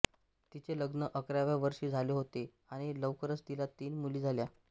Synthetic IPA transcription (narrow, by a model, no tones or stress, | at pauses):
t̪it͡seləɡnəʔəkɾjaʋjaʋəɾʂiːd͡zʱaleɦot̪e | aɽ̃iləʋkəɾət͡st̪ilat̪iːnmuliːd͡zʱalja